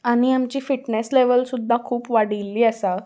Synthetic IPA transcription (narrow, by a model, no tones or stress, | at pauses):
aɽ̃iamt͡ɕiːfiʈnesleʋəlsud̪ʱːakʰuːpʋaɽilːiːəsa